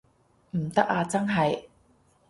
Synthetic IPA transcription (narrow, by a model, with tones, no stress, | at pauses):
m̩˨˩t̪ɐ˥k̚aː˧t͡sɐ˥ŋɦɐ˨j